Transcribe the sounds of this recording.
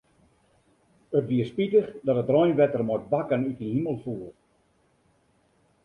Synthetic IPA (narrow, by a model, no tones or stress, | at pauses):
ətʋiəspitəxdɔtətrɔjnʋɛtərmɔt̚bakənytəhiməlˠfuːər